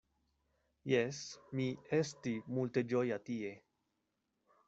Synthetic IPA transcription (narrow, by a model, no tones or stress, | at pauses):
jesmiestimulte̞d͡ʒojatie̞